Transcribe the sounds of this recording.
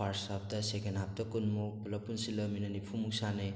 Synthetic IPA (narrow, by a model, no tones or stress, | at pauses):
aɾsap̚dɐsekenɦap̚dɐkunmupulɐpːunsilɐminɐnipʰumuk̚sanɯj